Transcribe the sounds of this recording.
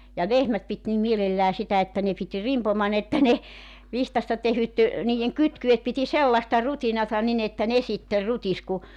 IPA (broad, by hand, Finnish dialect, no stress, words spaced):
jɑ lehmæt pit nim mielelːæː sitæ etːæ ne pit rimpomɑn etːæ ne ʋihtɑstɑ tehyt niːjˑeŋ kytkyet piti selːɑstɑ rutinɑtɑ nin etːæ ne sitːer rutis ku